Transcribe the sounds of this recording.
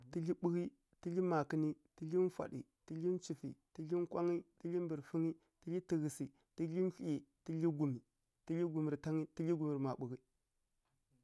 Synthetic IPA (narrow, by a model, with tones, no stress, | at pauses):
ti˦ɮi˦ɓu˦ɣi˦ | ti˦ɮi˦ma˨ki˦ni˦ti˦ɬi˦n˦fa̰˨ɗḭ˨ | ti˦ɮi˦nt͡ʃi˨fḭ˨ti˦ɮi˦nkʷa˦ŋi˦ti˦li˦mbi˨ɾfi˦ŋi˦ | ti˦li˦ti˨ɣi˨si˨ | ti˦ɮi˦n˦ɬi˦i˨ti˦ɮi˦ɡu˨mi˨ | ti˦ɮi˦ɡu˨mi˨ɾta˦ŋi˦ti˦ɮi˦ɡu˨mi˨ɾma˨ɓu˨ɣi˦